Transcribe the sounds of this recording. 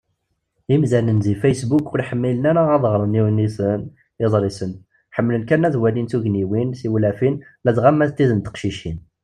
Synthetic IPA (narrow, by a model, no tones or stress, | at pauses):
imzænənzifæjsbukːʊɾiħəmːilənæɾæɑðˤʁɾˤəniwnisən | ɪzˤɾˤisən | ħəmːlənkænːæðwælinθuʝniwinsiwlæfin | lædʁamːæt̪ːiðənt̪ə̥qʃiʃin